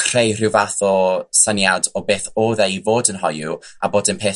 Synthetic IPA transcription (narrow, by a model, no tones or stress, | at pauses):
kʰr̥ejr̥ɪwvaθɔsənjadɔbeːθoːðɛivoːdənɦɔju | aboːdɪnpʰeː